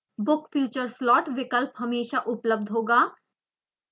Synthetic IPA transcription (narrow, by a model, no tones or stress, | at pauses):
bʊkfjuːt͡ʃəɾslɔːʈʋɪkəlpɦɐmeːʃaʔʊpləb̚d̪ʱɦoːɡaː